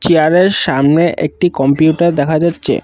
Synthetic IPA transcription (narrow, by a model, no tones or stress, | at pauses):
t͡ɕiaɾeɾʃamneʔḛk̚ʈikɔmpiuʈaɾd̪ɛkʰad͡ʑatːɕʰḛ